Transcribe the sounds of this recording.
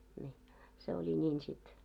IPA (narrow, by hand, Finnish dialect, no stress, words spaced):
nʲiː se olʲi nʲiːn sit